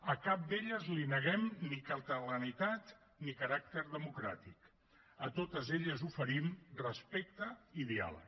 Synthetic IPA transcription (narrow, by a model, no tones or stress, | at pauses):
əkap̚d̪eʎəzlinəɣɛmnikəlˠt̪ələnit̪at̪ | nikəɾak̚t̪əɾðəmukɾat̪ik | ət̪ot̪əzeʎəzufəɾimrəspek̚t̪əiðia̰lə̰